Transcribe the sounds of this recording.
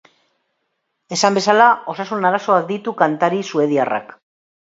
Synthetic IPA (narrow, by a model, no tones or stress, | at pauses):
e̞sambe̞salao̞sasunaɾaso̞ak̚d̪it̪ukant̪aɾisue̞ðiara̰k